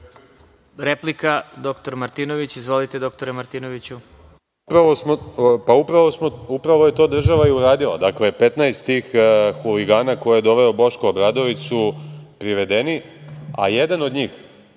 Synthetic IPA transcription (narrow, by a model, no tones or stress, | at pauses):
ɾeplikad̪o̞kt̪oɾmaɾt̪ino̞ʋit͡ɕizʋo̞lit̪ed̪o̞k̚t̪oɾemaɾt̪iːno̞ʋit͡ɕu | upɾaʋo̞smopaupɾaʋo̞smoupɾaʋo̞je̞t̪o̞ːd̪r̩ʒaʋaiuɾaːd̪ila̰d̪aklepe̞t̪najst̪t̪iːxxuliɡaːnakojejed̪o̞ʋeobo̞ʃkoobɾad̪o̞ʋit̪supɾiʋe̞d̪e̞nia̰je̞d̪ano̞d̪ɲiːx